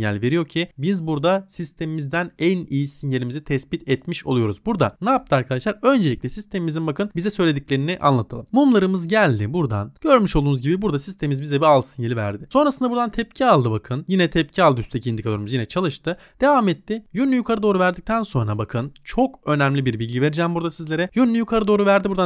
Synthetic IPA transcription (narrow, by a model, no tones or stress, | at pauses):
jæ̰lʲve̞ɾijo̞ɾcʰibizbuɾd̪asist̪ʰe̞mimizd̪ænɛnijisɯnjelʲimizit̪ʰɛspit̪ʰɛt̪miʃo̞lˠujo̞ɾuzbuɾd̪a̰naːp̚t̪ʰɯaɾkʰad̪aʃlˠaɾø̞nd͡ʒe̞lʲiclʲɛsist̪ʰe̞mimizinbakʰɯnbizɛsø̞jlʲe̞d̪iclʲe̞ɾiniʔa̰nlˠat̪ʰalˠɯmmumlˠaɾɯmɯzɟælʲd̪ɪbuɾd̪a̰nɟ̥ø̞ɾmyʃolˠd̪unuzɟibibuɾd̪asi̥st̪ʰemimizbizɛbialˠsɯnjelʲivæ̰ɾd̪ɪso̞nɾasɯnd̪abuɾd̪ant̪ʰɛpcʰialˠd̪ɯbakʰɯnjinɛt̪ʰɛp̚cʰialˠd̪ɯyst̪ʰd̪ecʰind̪ikʰad̪oɾmuzjinɛt͡ʃʰalˠɯʃt̪ʰɯ | d̪̥e̞vaːmɛt̪ːɪjynːʲyjukʰaɾɯd̪o̞ːɾuvæɾd̪ic̚t̪ʰænso̞nɾabakʰɯnt͡ʃʰo̞kø̞næmlʲibiɾbilʲɟive̞ɾid͡ʒɛmbuɾd̪asizlʲe̞ɾɛjynlʲyjukʰaɾɯd̪o̞ːɾuvæɾd̪ibuɾd̪a